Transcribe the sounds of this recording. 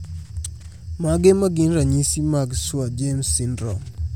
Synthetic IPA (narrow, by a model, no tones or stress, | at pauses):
maɡemaɡinɾaɲisimaɡswad͡ʒemsːindɾɔ̰